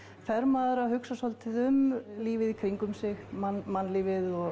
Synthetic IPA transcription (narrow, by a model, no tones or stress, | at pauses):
fɛɾmaːðʏɾahʏksasɔlt̪ʰɪðʏmliːvɪðikʰɾiŋkʏmsɪɣmanmanːliːvɪðɔɣ